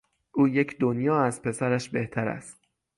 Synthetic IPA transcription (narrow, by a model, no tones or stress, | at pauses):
ʔuːjecʰd̪onjɒːæzpʰe̞sæɾæʃbe̞ht̪ʰæɾæ̰st̪